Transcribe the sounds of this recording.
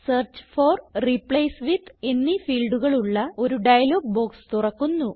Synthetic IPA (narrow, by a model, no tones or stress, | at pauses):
sɐːrt͡ɕforripɭejsʋid̪e̞nːifiːlɖuɣɐɭuɭːɐo̞ɾuɖɐjɐlo̞ːɡ̚bo̞ːkst̪urɐkːunːu